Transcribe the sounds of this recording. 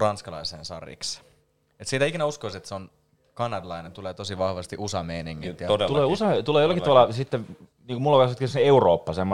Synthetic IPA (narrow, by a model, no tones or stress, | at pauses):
rɑnskɑlɑ̰isḛːnsɑ̰rḭks | et̪siːt̪æikinæuskoiset̪seon | kɑnɑd̪lɑinent̪uleːt̪osiʋɑhʋɑst̪iʔusɑmeːniŋːit̪ːjtuleːusɑt̪uleˑːjolːˑɑkit̪uɑlːɑsit̪ːe | niːŋkumulːɑkɑsɑt̪kiseeuroːpːɑsemːo